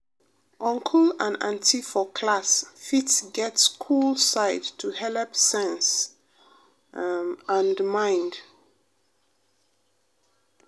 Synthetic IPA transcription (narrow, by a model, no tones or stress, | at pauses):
ʔʌ̃ŋkʰəlãnã̰ntʰifɔkʰlasfitsɡɛtskʰulsaɪdtʰːuhɛlpsɛ̃ns | ãndmãɪ̃nd